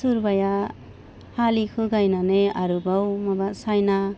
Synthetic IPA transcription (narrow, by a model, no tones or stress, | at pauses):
suɾbaja | halikʰɯɡajnaneaɾɯbawmabasajna